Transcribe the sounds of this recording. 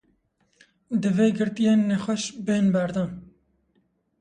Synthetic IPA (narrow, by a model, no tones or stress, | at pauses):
d̪ɨveːɡɨɾt̪ijeːnːɛxʷɛʃbenbæɾd̪ɑːn